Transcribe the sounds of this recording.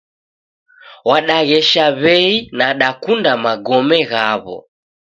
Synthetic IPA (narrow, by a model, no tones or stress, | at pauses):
waɗaɣɛʃaβɛinaɗakundamaɡɔmɛɣaβɔ̰